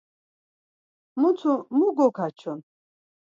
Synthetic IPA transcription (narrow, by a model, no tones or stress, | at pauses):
mut͡sʰumuɡɔkʰat͡ʃʰɔn